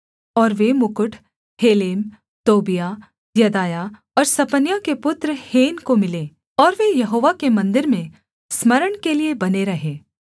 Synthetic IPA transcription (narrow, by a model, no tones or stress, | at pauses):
ɔːɾʋemʊkʊʈʰ | heːleːm | t̪oːbija | jɐd̪aːja | ɔːɾsɐpənjakepʊt̪ɾəheːnkomɪleː | ɔːɾʋejɐɦoːʋakemɐ̃nd̪ɪɾmẽ | smɐɾəɽ̃keliebɐneɾɐɦeː